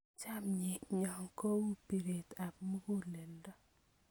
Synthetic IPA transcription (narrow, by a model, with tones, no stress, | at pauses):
t͡ʃa˦mɲɪ˨ɲɔ˨ŋko˦wu˦pi˨ɾe˨ta˨p̚mu˦ko˦le˨ndɔ˦